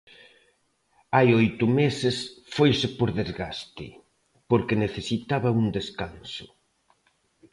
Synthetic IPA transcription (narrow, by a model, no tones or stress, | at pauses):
ajojt̪ʊmesɪsfojsɪpoɾðezɣast̪ɪ̰ | poɾkɪneθesit̪aβɐuŋd̪eskansʊ